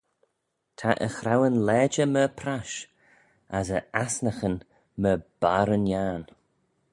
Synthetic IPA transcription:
tʰaʔə̰xɾawənlɛːd͡ʒəməpʰɾaʃ | asəasnəxən | məb̥aɾənjaːn

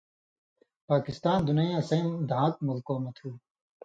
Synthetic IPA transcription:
paːkist̪aːnd̪unɐĩɐsɐmd̪ʱãːk̚mulkoːmɐt̪ʰuː

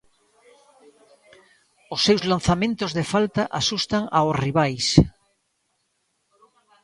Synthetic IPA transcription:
osːewzlanθamẽnt̪ozðefalt̪aʔasust̪aŋaosriβajs

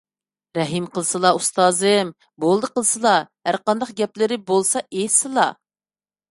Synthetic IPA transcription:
ɾɛɦimqəlˠɨsɨlˠɑust̪ɑːzɨm | bolˠd̪əqəlˠɨsɨlˠɑhæɾqɑnd̪ɑqɡʲɛplɪɾɪbolˠsɑʔesɨlˠɑ

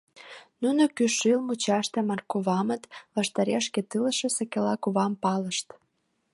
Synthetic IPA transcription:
nunokyʃilmut͡ɕɑʃt̪emɑrkuβɑmət̪βɑʃt̪ɑɾeʃket̪ɨləʃĕsəkelɑkuβɑmpɑləʃt̪

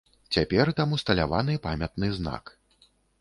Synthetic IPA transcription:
t͡sʲapʲɛrt̪amust̪ɐlʲava̰nɨpamʲɐt̪nɨzna̰k

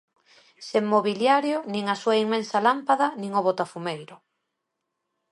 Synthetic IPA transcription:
semːoβiljaɾjonĩŋasuɐiŋmẽnsalampaðanĩŋoβot̪afumejɾʊ

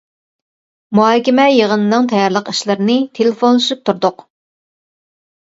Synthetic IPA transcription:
muɦɑːkʲɛmɛjeʁənɨnɨŋt̪ʰɑjɑɾlˠəqiʃlˠɨɾɨnɨt̪ʰelɪfonlˠɨʃyp̚t̪ʰuɾd̪ʊq

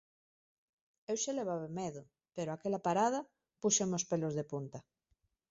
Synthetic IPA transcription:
ewʃeleβ̞aβemeðʊ | peɾoakelapaɾað̞a | puʃemospelozðepunt̪a

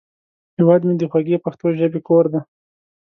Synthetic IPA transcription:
hewad̪med̪əxwaɡepaxt̪oʒəbekoɾd̪a

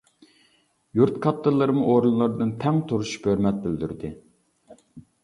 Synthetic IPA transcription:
juɾt̪kʰɑt̪ːɨɾlˠɨɾɨmʊʔoɾunlˠɨɾd̪ɨnt̪ʰɛŋt̪ʰuɾuʃpøɾmɛt̪̚bɪld̪yɾd̪ɪ

